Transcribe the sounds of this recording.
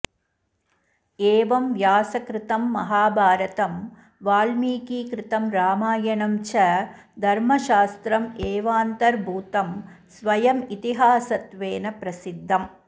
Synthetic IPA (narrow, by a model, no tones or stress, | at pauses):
eːʋɐmʋjaːsɐkɾɪt̪ɐmːɐɦaːbʱaːɾɐt̪ɐm | ʋaːlmiːkiːkɾɪt̪ɐmɾaːmaːjɐɳɐmt͡ʃɐ | d̪ʱɐɾmɐʃaːst̪ɾɐmeːʋaːnt̪ɐɾbʱuːt̪ɐm | sʋɐjɐmit̪iɦaːsɐt̪ʋeːnɐpɾɐsid̪ʱːɐm